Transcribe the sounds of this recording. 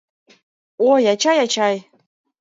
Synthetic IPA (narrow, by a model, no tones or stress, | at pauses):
ojɑt͡ɕɑjat͡ɕɑj